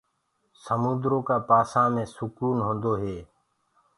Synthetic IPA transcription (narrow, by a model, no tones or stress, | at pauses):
səmũːd̪ɾoːkaːpaːsãːmẽːsʊkuːnɦõːnd̪oːɦeː